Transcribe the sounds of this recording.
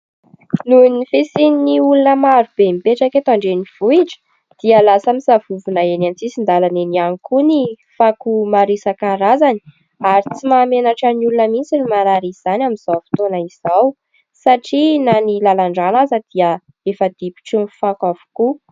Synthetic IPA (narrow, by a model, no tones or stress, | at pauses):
nunifesininiulunəmaɾub̥emipeʈ͡ʂaket̪oaɳɖ͡ʐeniv̥uiʈ͡ʂə̥ | d̪̥iəlasəmisavuvunaenant͡sisind̪alanenianikuni | fakumaɾisəkaɾazani̥ | aɾit͡simamenaʈ͡ʂaniulunəmit͡sinimaɾaɾiz̥anʲaminz̥awfi̥t̪onaiz̥aw | saʈ͡ʂinanilalaɳɖ͡ʐanazəd̪̥iə | efəd̪ipi̥ʈ͡ʂunfakavu̥ku